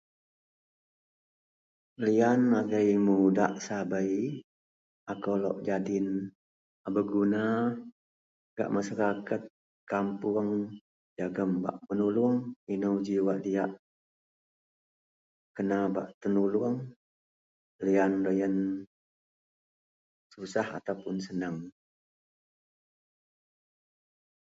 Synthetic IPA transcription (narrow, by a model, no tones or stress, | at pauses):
lianaɡəjmuda̰ʔsabəj | akowlɔ̰ʔd͡ʒadɪn | abəɡuna | ɡa̰ʔmasaɾakat̪̚ | kampuəŋ | d͡ʒaɡəmba̰ʔmənuluəŋinəwd͡ʒiwaʔdijaʔ | kənaba̰ʔt̪ənuluəŋ | lijanləjən | susaha̰t̪awpʊnsənəŋ